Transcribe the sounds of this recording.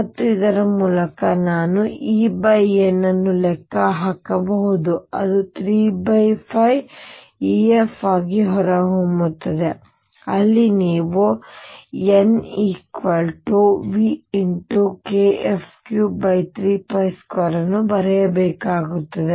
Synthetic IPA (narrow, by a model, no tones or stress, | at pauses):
mɐt̪ːuid̪ɐɾɐmuːlɐkɐnaːnuiːbɐjenːɐnːulɛkːɐɦaːkɐbɐɦud̪uɐ̰d̪ut̪ʰɾiːbɐjpʰɐj | iefaːɡiɦɔɾɐɦomut̪ːɐd̪e | ɐlːiniːʋu | eniːkʋɐlʈuʋiiɳʈukeepʰkjubɐjt̪ʰɾiːpɐjskʋɐɾɐnːubɐɾɛjɐbɛːkaːɡut̪ːɐd̪e